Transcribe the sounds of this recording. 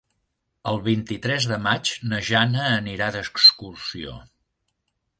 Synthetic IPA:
əlˠβint̪it̪ɾɛzðəmat͡ʃnəʒanəːniɾaðəkskursio̰

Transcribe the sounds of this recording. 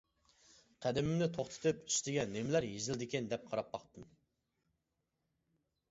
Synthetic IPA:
qʰæd̪ɪmɪmnɪt̪ʰoχt̪ʰɨ̥t̪ʰɨpy̥st̪ɪɡʲɛnːɪmɪlæɾjezɪld̪ɪkʲɛnd̪ɛp̚qʰɑɾɑpːɑχt̪ɨm

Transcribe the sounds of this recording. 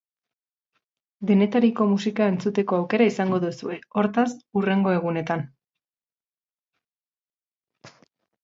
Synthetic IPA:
d̪e̞ne̞t̪aɾiko̞musikae̞nt͡sut̪e̞ko̞awke̞ɾaisaŋɡo̞ðusue̞o̞ɾt̪asure̞ŋɡo̞e̞ɣ̞une̞t̪an

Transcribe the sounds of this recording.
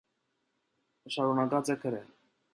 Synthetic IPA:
ʃɑɾunɑkɑt͡sɛkʰəɾɛ

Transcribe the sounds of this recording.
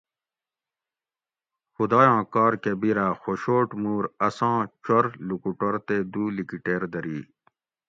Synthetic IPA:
xud̪ɑːjãːkɑːɾkebiɾaːxoɕoːʈmuːɾɐsãːt͡ɕoɾlukuʈoɾt̪eːd̪uːlikiʈeːɾd̪ɐɾiː

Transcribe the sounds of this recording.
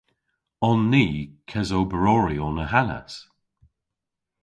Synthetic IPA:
ɔnːiːkʰɛzowbəɹɔɹiɔnəɦana̰s

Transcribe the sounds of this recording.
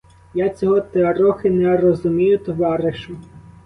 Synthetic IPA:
jat͡sʲɔɦɔt̪eɐɾɔxɪnɛɾɔzʊmʲijʊt̪ɔʋɑɾɪʃʊ

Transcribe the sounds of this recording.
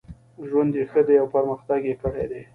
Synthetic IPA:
ʒwand̪jexəd̪eawpəɾməxt̪aɡjekəɽed̪e

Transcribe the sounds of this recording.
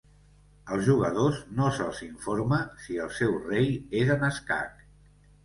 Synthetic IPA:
əlˠzʒuɣ̞əð̞oznosəlˠziɱfoɾməsiəlˠsɛwrejezənəska̰k

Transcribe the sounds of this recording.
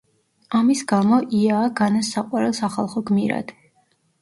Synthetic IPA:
amisɡamɔʔiaːɡanasaqʼwaɾɛlˠsaχalˠχɔɡmiɾa̰d̪̥

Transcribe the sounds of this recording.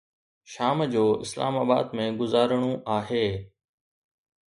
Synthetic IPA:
ʃaːmd͡ʑoːɪ̰sla̰ːmaːba̰ːd̪mẽɡʊzaːɾəɽ̃õʔaːɦeː

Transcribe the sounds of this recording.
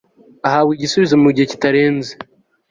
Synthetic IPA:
aɦaːwiɟisuβizemuɟiheci̥taɾe̞ːnze

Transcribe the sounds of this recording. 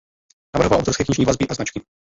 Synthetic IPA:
navɾɦovalʔo̰wt̪ɔɾfskɛːkɲiʒɲiːvazbɪʔaznat͡ʃkɪ

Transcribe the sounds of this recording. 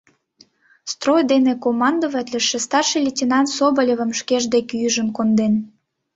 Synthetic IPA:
st̪rojd̪enekomɑnd̪ovæt̪lʲə̆ʃĕst̪ɑrʃəlʲetʲinɑnt̪sobəlʲeβə̆mʃkeʒd̪ekyjəʒənkond̪en

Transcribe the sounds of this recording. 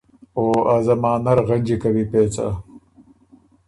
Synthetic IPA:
oːazɐmaːnɐɾɣɐnʲd͡ʒikɐwipeːt͡sa̰

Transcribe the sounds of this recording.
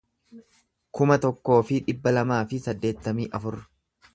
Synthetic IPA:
kʊmɐt̪ɔkːo̞ːfɪᶑɪbːɐlɐmaːfɪsɐd̪ːe̞ːt̪ːɐmiːʔɐfʊɾ

